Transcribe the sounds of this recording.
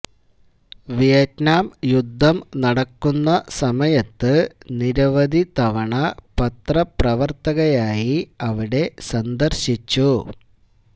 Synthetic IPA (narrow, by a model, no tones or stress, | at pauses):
ʋijɐtnaːmjud̪ʱːɐmnɐɽɐkːunːɐsɐmɐjɐt̪ːɨniɾɐʋɐd̪ʱit̪ɐʋɐɳɐpɐt̪rɐprɐʋɐrt̪ɐɣɐjaːjiɐʋiɽe̞sɐnd̪ɐrɕit͡ɕːu